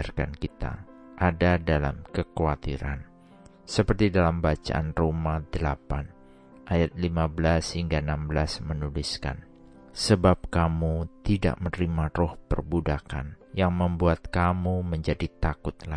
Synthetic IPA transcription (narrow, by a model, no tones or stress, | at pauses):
arka̰nkit̪a̰ʔadadala̰mkəkoat̪iɾa̰n | səpərt̪idalambat͡ʃa̰ʔanromadəlapan | ʔajat̪̚limabəlashiŋɡaənambəlasmənuliska̰n | səbap̚kamut̪ida̰ʔmənɾimarɔhpərbudaka̰n | jaŋməmbuat̪̚kamuməɲd͡ʒadit̪akʊt̪̚la